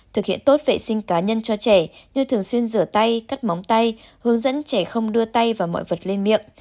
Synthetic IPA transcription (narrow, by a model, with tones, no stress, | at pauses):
t̪ʰɨ˨˩k̚hḭ˧˨ənt̪o˦˥t̚vḛ˧˨sï˧ŋ̟kaː˨˦ɲə˧nt͡ɕɔ˧t͡ɕɛ˧˩ɲɨ˧ŋt̪ʰɨ˨˩əŋswi˧ənzɨ˧˩ət̪a˧jkaː˦˥k̚ma˨˦wŋ͡mt̪a˧jhɨ˨˦əŋzə̰˧˥nt͡ɕɛ˧˩xə˧wŋ͡mɗɨ˧ət̪a˧jvaː˨˩mɔ̰˧˨jvə˨˩t̚le˧nmḭ˧˨əŋʔ